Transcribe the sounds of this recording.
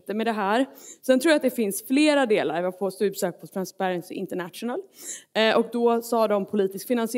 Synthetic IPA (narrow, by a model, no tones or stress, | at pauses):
t̪əmɛd̪ɛɦæːɾsɛnt̪ʰɾuːjat̪̚d̪ɛfɪnsfleːɾad̪eːla̰ɾvɪafoːst̪ʉbsøːk̚pʰɔt̪ʰɾanspæɾɛnsɪɪ̰nt̪əɳæt̪ʂʊnalʔɔk̚d̪ɔsɑːd̪ɔmpʰʊliːt̪ɪskfɪnansɪ